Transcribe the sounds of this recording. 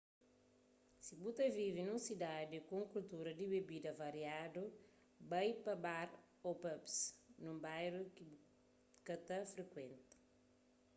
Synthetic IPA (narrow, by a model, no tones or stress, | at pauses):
sibut̪ɐvivinũsid̪ad̪ikõŋkult̪uɾɐd̪ibebid̪ɐvɐɾjad̪u | bajpɐbaɾ | opɐpsnũmbajɾe | kɐt̪ɐfɾekwẽnt̪u̥